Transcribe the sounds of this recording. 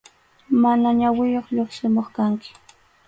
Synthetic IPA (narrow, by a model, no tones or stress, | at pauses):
manaɲawɪjoχʎoχsɪmoχkaŋkɪ̥